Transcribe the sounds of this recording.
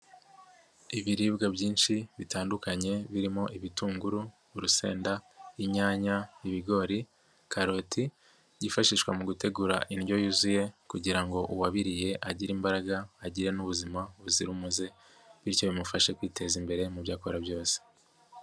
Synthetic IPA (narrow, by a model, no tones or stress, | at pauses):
iβiɾiːbɡabɟiːnʃiβitaːndukaɲe̞βiɾimo̞ʔiβituːŋɡuɾu | ɾuse̞̰ːndaiɲaːɲaiβiɡo̞ːɾi | kaɾo̞tʰi | ɟifaʃiʃkwamuɡute̞ɡuɾaʔinɟo̞juzuje̞kuɟiɾaŋɡo̞ʔuwaβiɾije̞ʔaɟiɾimbaɾaɡaːɟiɾe̞nuβuzimaβuziɾumuze̞ | βiɾco̞βimufaʃe̞kwiːte̞zimbe̞ɾe̞muβjaːkoɾabjo̞ːse̥